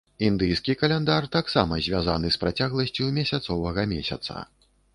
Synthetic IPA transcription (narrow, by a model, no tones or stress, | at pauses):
ind̪ɨjskʲikɐlʲɛnd̪art̪aksamɐzʲvʲaza̰nɨspɾat͡sʲaɣlˠɐsʲt͡sʲumʲɛsʲat̪sɔvɐɣɐmʲɛ̰sʲɐ̰t̪sɐ̰